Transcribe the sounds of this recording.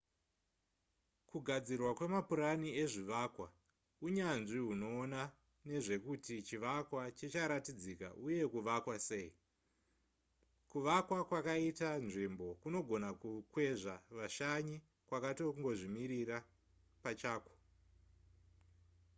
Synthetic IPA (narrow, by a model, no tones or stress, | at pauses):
kuɡʱad͡zirwakwe̞mapuɾanie̞ʐiʋaːkwa | uɲanʐiɦuno̞ːna | ne̞ʐe̞kutit͡ʃiʋakwat͡ʃet͡ʃaɾatid͡zika̰ʔuje̞kuʋakwase̞ːi | kuʋakwakwakaitanʐimbo̞kuno̞ɡʱo̞nakukwe̞ʐaʋaʃaɲi | kwakato̞uŋɡo̞ʐimiɾira | pat͡ʃaːko̥